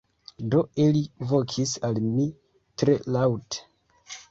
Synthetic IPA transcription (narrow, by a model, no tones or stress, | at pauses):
do̞ilivo̞kʰisalmi | tɾe̞lawte̥